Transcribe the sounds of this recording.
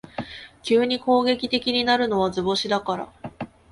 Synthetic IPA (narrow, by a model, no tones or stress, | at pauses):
kʲɨːɲ̟iko̞ːɡe̞kʲi̥t̪e̞kʲiɲ̟inaɾɯ̟no̞βazɨbo̞ɕid̪akaɾa̰